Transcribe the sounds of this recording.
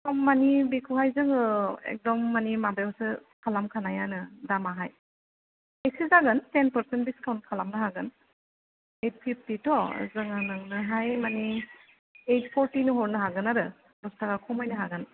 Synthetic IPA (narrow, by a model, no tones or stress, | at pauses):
kɔmːanibikʰuhajzɯŋɯḛk̚dɔmːanimabewsɯkʰalamkʰanajanɯdamaɦaj | ejsɯzaɡɯntenpəɾsentbiskʰawnt̚kʰalamnɯɦaɡɯn | ejt̚pʰip̚ʰtitɔzɯŋanɯŋnɯɦajmani | ejtpʰɔɾtinɯɦɔɾnɯɦaɡɯnaɾɯ | bɔstʰakakʰɔmajnɯɦaɡɯn